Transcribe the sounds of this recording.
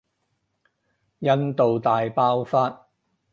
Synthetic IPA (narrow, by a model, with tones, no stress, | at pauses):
jɐ˥nt̪o˨wt̪aː˨jpaː˥wfaː˥t̚